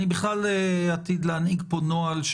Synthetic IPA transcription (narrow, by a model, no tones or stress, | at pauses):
nibiχlaleat̪id̪leaniɡponoalʃ